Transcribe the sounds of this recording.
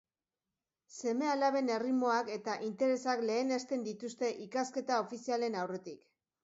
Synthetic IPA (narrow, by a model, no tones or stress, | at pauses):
se̞me̞alaβe̞ne̞rimo̞ake̞t̪aʔint̪e̞ɾe̞sakle̞ːnest̪e̞nd̪it̪ust̪e̞ʔikaske̞t̪ao̞fisiale̞nawre̞t̪ik